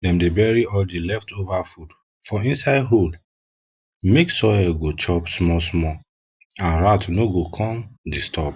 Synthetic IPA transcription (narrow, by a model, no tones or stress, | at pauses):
dɛ̃mdebɛɹiɔldilɛftovafud | fɔĩnsaɪdɦol | meksɔjɛɡot͡ʃɔpsmɔsmɔ | ãnɹatnoɡokʰɔ̃mdistʰɔp